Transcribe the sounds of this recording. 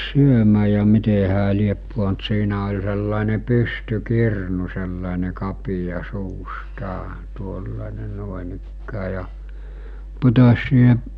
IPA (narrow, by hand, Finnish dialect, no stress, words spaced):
syømæː jɑ mite hæː liep puont siːnæ olʲ selːɑˑene pystykirnu selːɑˑene kɑpijɑ suːstɑː tuolːɑˑene nŭoˑenikːæː jɑ putosʲ siːhe